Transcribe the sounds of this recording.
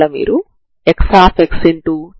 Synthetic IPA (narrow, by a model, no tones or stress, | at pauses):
ɐmḭːɾu | eksaːpeksiɳʈu